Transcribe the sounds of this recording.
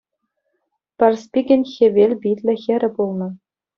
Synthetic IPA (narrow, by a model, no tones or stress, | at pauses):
pʲɘ̆rspʲiɡʲɘ̆nʲxʲeʋʲelʲbʲitʲlʲɘ̆xʲɘ̆ɾʲɘ̆pulˠnɤ̆